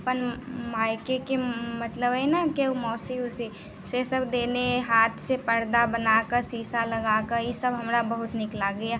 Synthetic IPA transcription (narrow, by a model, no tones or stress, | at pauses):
pənmaːɪkekemɐt̪ləbɛnakemɔːsiʊsi | sesɐbd̪eːneɦaːt̪ʰsepɐɾd̪abɐnakəɾsiːsalɐɡaːkəɾjesɐbɦɐmɾabɐɦʊt̪nɪklaɡɐja